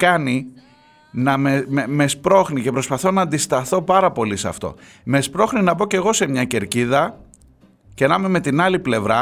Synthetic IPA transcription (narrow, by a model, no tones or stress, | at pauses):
kɐni | nɐmeeme̞spɾo̞xnice̞pɾo̞spɐθo̞nɐːnd̪ist̪ɐθo̞pɐɾɐpo̞lisɐ̰ft̪o̞̰ | me̞spɾo̞xninɐbo̞ce̞ɣo̞se̞mɲɐce̞ɾciðɐ | ce̞nɐmeme̞t̪inɐliple̞vɾɐ